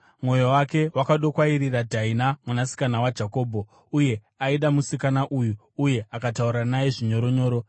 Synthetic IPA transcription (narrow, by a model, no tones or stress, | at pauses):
mwo̞jowake̞wakaɗo̞kwairiradʱainamunasi̥kanawad͡ʒako̞ːbʱo̞ | uje̞ | aiɗamusikanaʔuju | uje̞akatauɾanajeʐiɲo̞ɾoɲo̞ːɾo